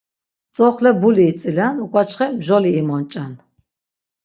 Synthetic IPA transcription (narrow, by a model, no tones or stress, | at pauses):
t͡sʼɔχlɛbuliːt͡sʼilanukʷʼat͡ʃʰχɛmʒɔliːmɔnt͡ʃʼan